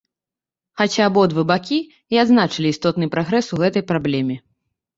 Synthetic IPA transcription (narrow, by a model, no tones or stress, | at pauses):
xat͡sʲaːbɔɐd̪vɨbakʲi | iad̪znat͡ʂɨlʲiːst̪ɔt̪nɨpɾaɣɾɛsuɣɛt̪ɐjpɾablʲɛmʲɛ